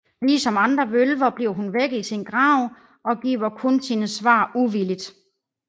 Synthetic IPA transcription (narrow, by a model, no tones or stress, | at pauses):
liːsɒ̽mɑ̈nd̥ʁɐʋølʋɐb̥liʊ̰ɦunʋeɡ̥ð̩ˠisinɡ̥ʁɑ̈ʊ̰ | ʔɒ̽ɡ̥ḭːʊɐkʰɔ̽nsiːnəsʋɑ̰̈ːuʋilid̥